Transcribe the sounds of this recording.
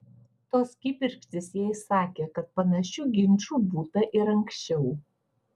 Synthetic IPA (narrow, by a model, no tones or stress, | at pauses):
t̪oːskʲɪpʲɪɾʲkʲt̪ʲɪsjɛːjsɑːkʲeːkɐt̪̚pɐnɐʃʲuɡʲɪnʲˑt͡ʃuːbuːt̪ɐʔɪɾɐŋʲksʲt͡ʃʲɛʊ